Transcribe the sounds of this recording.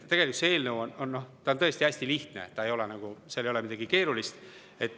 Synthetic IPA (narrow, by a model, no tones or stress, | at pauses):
t̪e̞ɡ̥e̞likut̪see̞ːlnəwononːo̞ht̪ɑont̪ɤest̪iæsʲt̪iliht̪nḛtt̪ːɑe̞jo̞lɛnɑɡ̥uselejo̞lemid̪ɑɡ̥ike̞ːɾulist̪ | e̞t̪ːˑ